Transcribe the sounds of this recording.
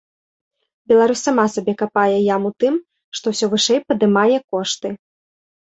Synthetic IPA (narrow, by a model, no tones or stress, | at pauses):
bʲɛlˠaɾusʲːamasabʲɛkapajɛjamut̪ɨm | ʂt̪ɔwsʲɔvɨʂɛjpɐd̪ɨmajɛkɔʂt̪ɨ